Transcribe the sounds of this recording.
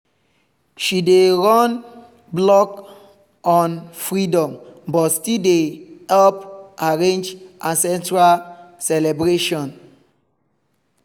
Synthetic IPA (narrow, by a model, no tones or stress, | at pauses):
ʃideɹɔn | blɔk | ɔ̃nfɹidɔ̃mbɔtstildehɛlpʔaɹẽnd͡ʒʔãnsɛ̃ntɹalsɛlɛbɹeʃɔ̃n